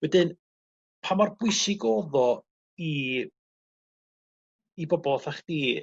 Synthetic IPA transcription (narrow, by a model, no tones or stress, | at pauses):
wɛdɪn | pʰamarb̥wʊjsɪɡoːðɔ | i | bɔbɔlˠθaχd̥iː